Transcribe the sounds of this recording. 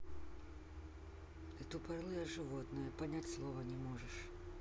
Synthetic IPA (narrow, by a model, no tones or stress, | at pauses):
ɨt̪ʊpɐrlˠɨjəʐɨvot̪nɨjəpɐnʲætʲslˠovənʲɪmoʐɨʂ